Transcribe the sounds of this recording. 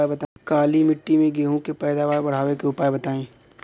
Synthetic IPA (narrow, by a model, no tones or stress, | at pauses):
bɐt̪akaːlimɪʈːimẽɡeːɦõkepɛːd̪aʋaːɾbɐɽ̤aːʋekeʊpaːjebɐt̪aːẽː